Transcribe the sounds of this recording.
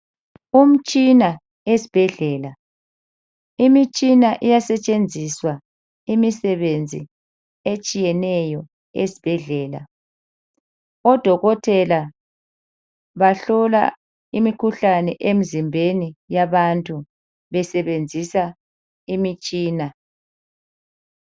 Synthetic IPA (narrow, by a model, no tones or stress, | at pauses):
um̩t͡ʃʼina | esib̥ʱɛɮɛːla | imit͡ʃʼinaʔijasɛt͡ʃʼend͡zʱiswa | imisɛβend͡zʱḭ | et͡ʃʼijɛnɛjɔ | esi̥b̥ʱɛɮɛːla̰ | ɔd̥ʱɔɣɔtʰɛla | βaɬɔla̰ | imikʰuɬanɛʔem̩zimbʱenijaβantʼu | βɛsɛβend͡zʱisa | imit͡ʃʼiːna